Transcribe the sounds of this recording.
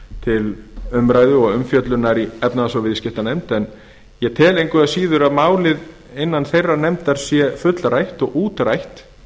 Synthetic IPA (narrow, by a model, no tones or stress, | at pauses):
t̪ʰɪlʏmɾaːjðʏɔɣʏmfjœt̪lʏnaɾiɛpnaðasɔwvɪðscɪht̪anemt̪ɛn | jɛt̪ʰɛːlejŋkvɛasiːðʏɾaðmaːwlɪð | ɪnːanθejrːanɛmt̪aɾ̥sjɛfʏt̪lrajht̪ɔɣʔuːt̪ɾajht̪